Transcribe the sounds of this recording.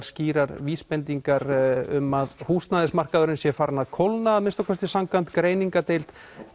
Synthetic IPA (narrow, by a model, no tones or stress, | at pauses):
ɾ̥sciːɾaɾviːspɛnt̪iŋkaɾʏmːaðhust̪naðɪsmar̥kaðʏɾɪnsjɛfaːɾanaðkʰowlnaːðmɪnst̪awkʰvɛr̥t̪ɪsamkant̪kɾeːjniŋkat̪ejlt̪